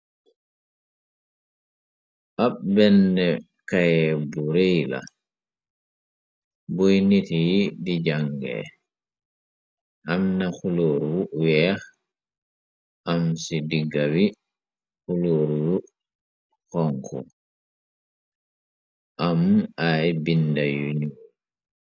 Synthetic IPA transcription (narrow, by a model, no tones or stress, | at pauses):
ʔaɓbɛnːɛ | kajɛbuɾejla̰ | bojnitijidid͡ʒaŋɡɛ̰ | ʔamnaxuluɾwuwɛx | ʔamsidiɡawi | kuluɾwu | xɔŋkʰɔ̰ | ʔamajbindajuɲu